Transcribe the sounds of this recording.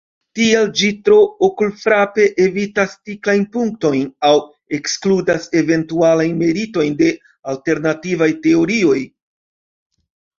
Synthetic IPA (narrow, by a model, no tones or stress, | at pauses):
tield͡ʒitɾo̞okulfɾape̞ʔe̞vitast͡siklajnpuŋk̚to̞jnaw | e̞kskludase̞ve̞ntualajnme̞ɾito̞jnde̞ | alte̞ɾnativajte̞o̞ɾio̞j